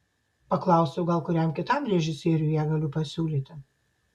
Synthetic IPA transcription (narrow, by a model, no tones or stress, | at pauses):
pɐklˠɐˑʊsʲɛʊɡɐlˠkʊɾʲɛmkʲɪt̪ɐˑmɾʲɛʒʲɪsʲeːɾʲʊjæɡɐlʲʊpɐsʲuːlʲiːt̪ʲɪ